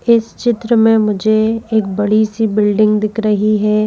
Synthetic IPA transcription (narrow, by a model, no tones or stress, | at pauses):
ɪst͡ʃɪt̪ɾəmẽmʊd͡ʒʱeeːkbɐɽisibɪlɖɪ̃ŋɡd̪ɪkʰɾɐɦiɦɛː